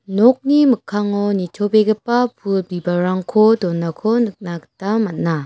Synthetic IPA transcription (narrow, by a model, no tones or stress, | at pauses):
nɔk̚nimɯkʰːaŋɔnitʰobeɡepːapʰulbibaɾaŋkʰɔdɔnːakʰɔnɯk̚naktamat̚na